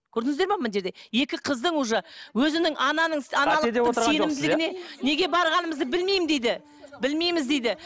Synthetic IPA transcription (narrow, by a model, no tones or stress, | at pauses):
kʲʰɵɾd̪ɪŋɪzd̪eɾmɑmɪnʒe̞ɾd̪e̞je̞kʲɪqʰəzd̪əɴuʒəwɵzɪnɪŋʔɑnɑnəɴsɑnɑlˠd̪ose̞nɪmd̪ɪlɪɡɪɪne̞ne̞ɡʲe̞bɑɾʁɑnəməzd̪əbɪlme̞jmd̪ejd̪ɪ | bɪlme̞jmɪzd̪e̞jd̪ɪ